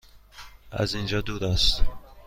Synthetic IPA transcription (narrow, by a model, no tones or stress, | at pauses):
æ̰zind͡ʒɒːd̪uːd̪æst̪